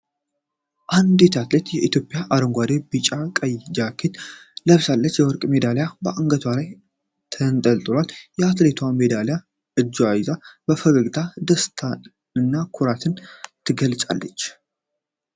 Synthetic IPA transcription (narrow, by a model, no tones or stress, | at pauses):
ʔand̪it̪ʰat̪let̪jɛʔit̪ʰjo̞pʼjaʔaɾəŋɡʷad̪ebɨt͡ʃʼakʼəjd͡ʒakʰet̪ləβsalːət͡ʃːjɛwɔɾkʼme̞d̪alejabəʔaŋɡət̪ʰwalaj | t̪ʰənt̪ʼəlt̪ʼlaljɛat̪let̪ʰwamed̪aleja | ʔɨd͡ʒːuajzabəfəɡəɡt̪ʰad̪əst̪ʰa | ɨnːakʰuɾat̪ʰɨnt̪ʰɨɡəlt͡ʃʼa̰lːət͡ʃː